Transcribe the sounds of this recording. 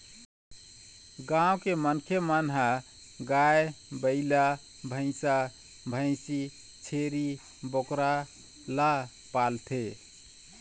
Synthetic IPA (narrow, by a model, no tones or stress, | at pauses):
ɡãwkemənkʰemənɦa | ɡaebəɪla | bʱə̃ɪ̃sa | bʱə̃ɪ̃si | t͡ʃʰeɾi | bokɾa | la | palt̪ʰe